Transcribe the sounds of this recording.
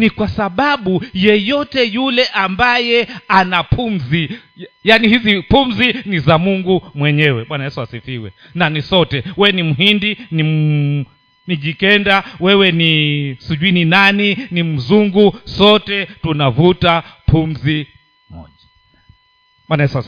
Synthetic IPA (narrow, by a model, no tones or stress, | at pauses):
nikwasaɓaɓujɛjɔtɛjulɛʔambajɛanapʰumzi | janihizipumzinizamuŋɡumwɛɲɛwɛɓwanajɛsuasifiwɛ̰ | nanisɔtɛwɛwɛnim̩ɦindini | niʄikɛndawɛwɛnisuʄuininaninim̩zuŋɡusɔtɛtunavutapʰumzi | mɔ̰ʄ | ɓwanajɛsuas